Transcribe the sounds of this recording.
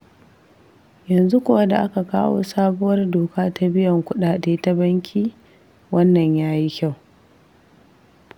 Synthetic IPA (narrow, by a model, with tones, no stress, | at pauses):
jɐ˨nzu˦kʷʊ˦wa˦da̰˨ʔa˦ka˨kaː˦wo̰ː˦saː˦bʊ˦wɐ˦rdoː˨kaː˦ta˦bɪ˦jɐ˨ŋkʷʊ˦ɗaː˨ɗeː˦ta˦bɐ˦ŋkʲʰiː˦ | wɐ˦nːɐ˨ɲjaː˦ji˦kʲa˦˨w